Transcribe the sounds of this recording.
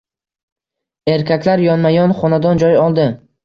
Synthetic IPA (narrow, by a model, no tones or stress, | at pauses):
e̞ɾkʲʰakʲlaɾjɒnmajɒnχɒnad̪ɒnd͡ʒɒjɒlˠd̪ɪ